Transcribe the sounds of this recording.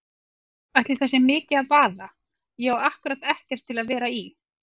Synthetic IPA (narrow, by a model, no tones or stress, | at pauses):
aht̪lɪθasɛmːɪːcɪaðpaːða | jaːwahkʏɾat̪ɛhcɛɾ̥t̪ʰːɪlaðvɛːɾai